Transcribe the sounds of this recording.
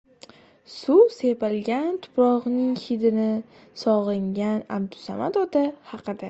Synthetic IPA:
sʊsepalɡʲant̪ʰʊ̥pɾɒʁnɪŋhɪd̪ɪnɪ | sɒʁɪŋɡʲana̰bd̪ʊ̥sa̰mat̪ɒt̪ahɑqʰɨd̪a

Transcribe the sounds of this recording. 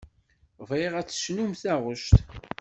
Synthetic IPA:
veʁæt͡sːə̥ʃnumθæʁʊʃt̪

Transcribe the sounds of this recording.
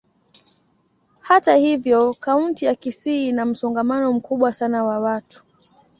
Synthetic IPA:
hatahivjɔkauntijakisinam̩sɔŋɡamanɔm̩kuɓwasanawawatu̥

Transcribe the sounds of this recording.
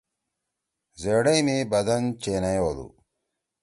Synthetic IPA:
zeɽɐjmibɐd̪ɐnt͡ɕeːnɐjoːlṵ

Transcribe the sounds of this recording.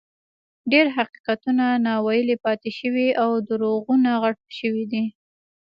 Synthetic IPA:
ɖeɾɦaqi̥qat̪unanɑwɑjəlepɑt̪eʃəwiawd̪əɾoɣunaɣaʈ̚ʃəwid̪i

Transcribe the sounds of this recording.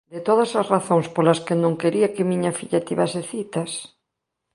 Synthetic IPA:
d̪et̪oð̞ɐsasraθoŋspolɐskɪnõŋkeɾiakɪmĩɲɐfiʎat̪iβaseθit̪as

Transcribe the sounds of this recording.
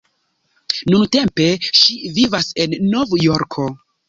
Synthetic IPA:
nunte̞mpe̞ʃivivase̞nːovjoɾkʰo̞

